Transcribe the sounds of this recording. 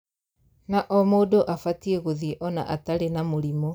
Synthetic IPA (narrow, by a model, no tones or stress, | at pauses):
naʔɔmoːdoʔafatieɣoðiʔɔna̰ʔataɾenamoɾimo